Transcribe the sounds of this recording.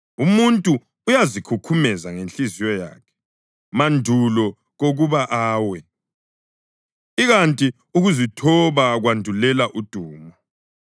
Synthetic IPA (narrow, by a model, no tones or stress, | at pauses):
umuntʼuː | jazikʰukʰumɛzaŋenɬizijɔja̰ːkʰɛ̥ | mandʱulɔ | ɣoɣuβaʔaːwɛ | iɣantʼi | uɣuzitʰɔβaɣwandʱulɛlaʔud̥ʱuːmɔ